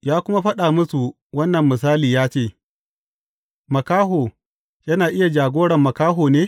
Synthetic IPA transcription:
jaː˦kʷʊ˦ma˦ɸɐ˦ɗaː˨mʊ˦su˨ | wɐ˦nːɐ˨mːɪ˨s̬aː˦liː˨jaː˦t͡ʃeː˦˨ | mɐ˨kaː˦ɦoː˨ | jɐ˦naː˨ʔɪ˦ja˨d͡ʒaː˨ɡʷoː˦ɽɐ˨mːɐ˨kaː˦ɦoː˨neː˦

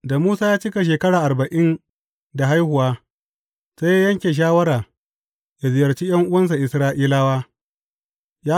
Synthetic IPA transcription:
da˨muː˦saː˦jaː˦t͡ʃɪ˦ka˨ʃ̬eː˨kɐ˦ɽaː˨ʔa˨ɾbɐ˨ʔɪ˦n | da˨ɦa˦jhʊ˨waː˦ | se˦ja˦jɐ˦ŋkʲeː˨ʃ̬aː˦wɐ˦ɾaː˨ | ja˨zɪ˨jɐ˨rt͡ʃiː˦j̰ɐ˦ŋʔʊ˦wɐ˦ns̬a˨ʔɪ˨sɾaː˦ʔiː˦laː˦waː˦ | jaː˦

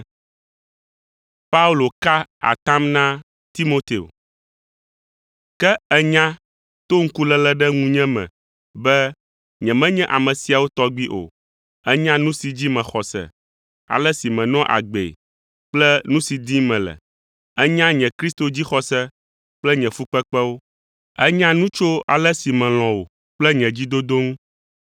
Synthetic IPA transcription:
pa˦u˦lo˨ka˦a̰˨t̪ã˦mnã˦ | t̪i˦mo˦t̪e˨o̰˨ | kɛ˦ɛ˦ɲã˦ | t̪o˦ŋ̩˦ku˦lɛ˨lɛ˦ɖɛ˦ŋũ˦ɲɛ̃˦mɛ̰̃˨ | bɛ˦ | ɲɛ̃˨mɛ̃˦ɲɛ̃˦ʔa˨mɛ̃˨si˨a˨wo˦t̪ɔ˦ɡ͡bi˦ʔo̰˨ | ɛ˦ɲã˦nũ˦si˨d͡ʑi˦mɛ̃˨xɔ˨sɛ̰˨ | a̰˨lɛ˦si˨mɛ̃˨nɔ̃˦ʔa̰˨ɡ͡bḛ˨ | k͡plɛ˦nũ˦si˨d̪i˦mɛ̃˨lɛ̰˨ | ɛ˦ɲã˦ɲɛ̃˨kɾi˦st̪o˨d͡ʑi˦xɔ˨sɛ˦ | k͡plɛ˦ɲɛ̃˨fu˦k͡pɛ˦k͡pɛ˦wo˦ | ɛ˦ɲã˦nũ˦t͡ʃo˦a̰˨lɛ˦si˨mɛ̃˨l̃ɔ̃˨wo˨ | k͡plɛ˦ɲɛ̃˨d͡ʑi˦d̪o˦d̪o˦ŋũ˦

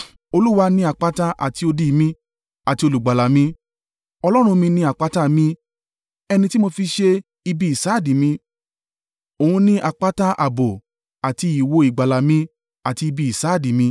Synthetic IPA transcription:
o˧lu˦wa˧nĩ˧˦a˨k͡pa˦ta˦ʔa̰˨ti˧o˧di˨˧˨mĩ˧ | a˨ti˧o˧lu˨ɡ͡ba˨la˨mĩ˧ | ɔ˧lɔ˦ɾ̃ũ˧mĩ˧nĩ˧˦a˨k͡pa˨˦ta˦˨mĩ˧ | ɛ˧nĩ˧ti˦mo˧fi˧ʃe˧ | i˧bi˧˦i˨sa˨˦˨dĩ˨mĩ˧ | o˨ũ˧nĩ˦ʔa˨k͡pa˦ta˦ʔa˨bo˨ | a˨ti˧i˨wo˧i˨ɡ͡ba˨la˨mĩ˧ | a˨ti˧i˧bi˧i˨sa˨˦˨di˨mĩ˧

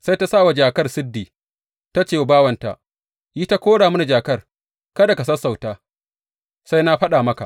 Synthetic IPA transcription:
sa˦jta˦saː˦˨wa˨d͡ʒaː˨kɐ˦rsɪ˦dːiː˨ | ta˦t͡ʃeː˨baː˦wɐ˨nta̰˨ʔ | jiː˦ta˦kʷoː˦ɽaː˨m˦na˨d͡ʒaː˨kɐ˦r | kɐ˦da˨kɐ˨sɐ˦sa˨wtaː˦ | sa˦jna˦ɸɐ˦ɗaː˨mɐ˦ka̰˨ʔ

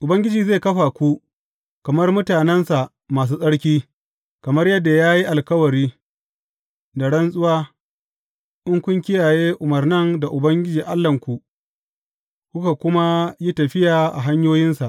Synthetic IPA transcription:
ʔʊ˨bɐ˦ŋɡʲɪ˦d͡ʒiː˨ze˦˨kɐ˦ɸa˨kʷu˦ | kɐ˨mɐ˦rmʊ˦taː˨nɛ˦nsa˨ʔ | maː˨s̬uː˦sʼɐ˦ɽkʲiː˦ | kɐ˨mɐ˦rjɐ˦dːa˨jaː˦ji˦ʔa˨lkɐ˦wɐ˨ɾiː˦ | da˨ɽɐ˦nsʼʊ˦waː˦ | ʔɪ˦ŋkʷʊ˦ŋkʲɪ˦jaː˨jeː˦ʔʊ˨mɐ˨rnɐ˦nda˨ʔʊ˨bɐ˦ŋɡʲɪ˦d͡ʒiː˨ʔa˦lːɐ˨ŋkʷu˨ | kʷʊ˦ka˨kʷʊ˦ma˦ji˦tɐ˨ɸɪ˦jaː˨ʔa̰˨ɦa˦ɲjoː˦jɪ˦nsa˨ʔ

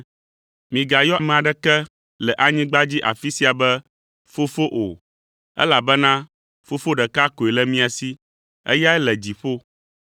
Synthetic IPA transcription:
mĩ˨ɡa˨jɔ˦˨mɛ̃˨a˨ɖɛ˦kɛ˦ | lɛ˨ʔa˦ɲĩ˦ɡ͡ba˦d͡ʑi˦ʔa̰˨fi˦si˦a˨bɛ˦ | fo˦fo˦ʔo˨ | ɛ̰˦la˨bɛ˦nã˦ | fo˦fo˦ɖɛ˨ka˦ko˨e˨lɛ˦mĩ˦a˨si˦ | ɛ̰˦ja˦ɛ˦lɛ˨d͡ʑi˨ɸo˦

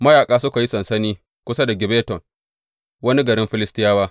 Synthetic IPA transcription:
mɐ˦jaː˨kʼaː˦sʊ˦ka˨ji˦sɐ˨nsɐ˦niː˦ | kʷʊ˦sɐ˦da˨ɡʲɪ˨beː˦tɔ˨ŋ | wɐ˦ni˦ɡɐ˨ɾɪ˦mɸɪ˦lɪ˦stɪ˦jaː˦waː˦

